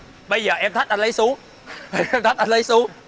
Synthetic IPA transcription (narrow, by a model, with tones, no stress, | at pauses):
ɓə˧jzəː˨˩ʔɛ˧mt̪ʰa˦˥t̚ʔa˧nlə˨˦jsu˨˦˧ | ʔɛ˧mt̪ʰa˦˥t̚ʔa˧nlə˨˦jsu˨˦ə